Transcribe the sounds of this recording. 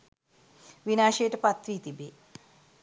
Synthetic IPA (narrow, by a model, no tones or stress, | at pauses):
ʋinaːʃejəʈəpat̪ɾiːt̪ibe